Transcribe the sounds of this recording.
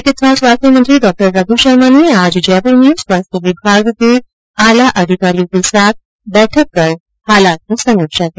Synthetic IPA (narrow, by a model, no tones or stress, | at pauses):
ek̪it̪ɾasʋast̪imənt̪ɾiːɖɔk̚ʈəɾɾad̪ʱuɕəɾmaniad͡ʑd͡ʑapəɾnjuːsʋast̪əʋibʱaɡt̪e | alaʔəd̪ʱikaɾikisak̪̚ | bɛʈʰəkːəɾ | halat̪̚ũsəmekɕat̪e